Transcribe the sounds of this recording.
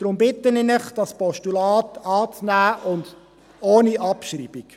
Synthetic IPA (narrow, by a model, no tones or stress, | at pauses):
d̥ɾʊmbɪtːənɪnɪχd̥ɑspɔʃtulɑːtɑːt͡snæːʔʊnd | oːniʔɑpʃrḭːb̥ik